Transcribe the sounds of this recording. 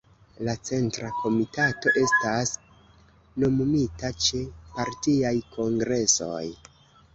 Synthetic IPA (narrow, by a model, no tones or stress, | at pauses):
lat͡se̞ntɾakʰo̞mitato̞ʔe̞stas | no̞mumitat͡ʃe̞paɾtiajkʰo̞ŋɡɾe̞so̞̰j